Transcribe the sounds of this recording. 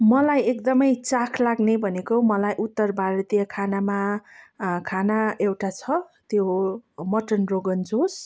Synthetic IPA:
mʌlajekd̪ʌmʌjt͡sakʰlaɡnebʱʌnekoɦmʌlajʔut̪ːʌrbʱaɾʌt̪ijʌkʰanama | kʰanaewʈat͡sʰʌt̪jomʌʈʌnroɡʌnd͡zos

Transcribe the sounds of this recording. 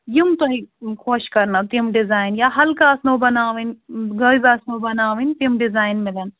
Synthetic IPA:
jimt̪oɦikʰoːʃkɐɾnat̪imɖɪzaːjnjaɦɐlkaːsnobɐnaːʋinɡɐibaːsnobɐnaːʋint̪imɖɪzaːjnmɪlɐn

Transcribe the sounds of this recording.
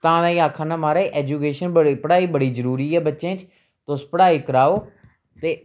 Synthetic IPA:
t̪ãːd̪ãːiːaːkʰːãːnãːmaːɾaeːʔɛːd͡ʒuːkeːʃənbəɽpəɽaːiːbəɽiːzəɾuːɾiːɛːbətːʃẽːt͡ʃ | t̪ʊspəɽaːiːkəɾaːoː | t̪eː

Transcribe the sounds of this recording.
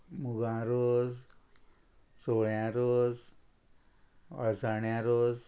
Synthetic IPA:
muɡãɾod͡z | soɭjãɾod͡z | ə̰saɳjãɾod͡z

